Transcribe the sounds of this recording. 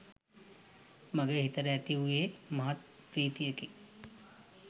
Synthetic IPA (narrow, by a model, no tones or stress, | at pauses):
mɐɡəɾɦɪt̪əɾːɛɦt̪iɦʊiɦemɐɦɐt̪ | pɾiːt̪ijəki